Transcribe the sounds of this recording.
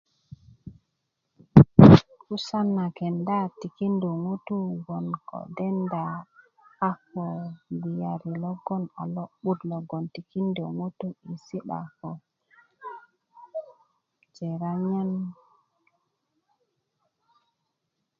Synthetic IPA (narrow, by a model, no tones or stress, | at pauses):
kusanːakɛndatikinduŋutuɡɔnkɔ̰dɛnda | afɔbijaɾilɔɡɔna̰lɔɓudlɔɡɔntikindɔŋutuisiɗa̰kɔ | d͡ʒɛɾaɲan